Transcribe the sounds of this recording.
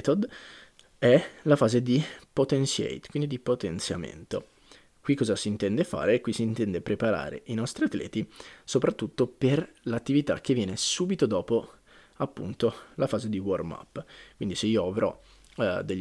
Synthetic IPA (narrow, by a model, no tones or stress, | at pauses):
t̪od̪ | ɛlafaːzed̪ipot̪ensɛ̰jt̪kwind̪id̪ipot̪ent̪sja̰mḛnt̪o | kwikːɔːzasiːnt̪ɛnd̪efa̰ːɾeːkːwisiːnt̪ɛnd̪epɾepaɾa̰ːɾḛʔinɔst̪ɾiat̪lɛ̰ːt̪isopɾat̪ːut̪ːoperlat̪ːivit̪a̰k̟evːjɛːnesuːbit̪od̪ɔːpo | apːṵnt̪olafaːzed̪iworma̰pːkwind̪iseiːoavɾɔ̰ | d̪eʎː